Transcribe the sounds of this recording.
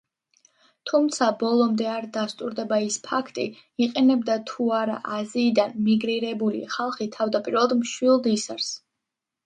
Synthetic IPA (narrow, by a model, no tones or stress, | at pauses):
t̪ʰumt̪sʰabɔlˠɔmd̪ɛaɾd̪ast̪ʼuɾd̪ɛbaispʰakʰt̪ʼḭ | iqʼɛnɛbd̪at̪ʰuaɾa̰ʔaziːd̪anmiɡɾiɾɛbulḭχalˠχit̪ʰavd̪apʼiɾvɛlˠad̪mʃwilˠd̪isaɾs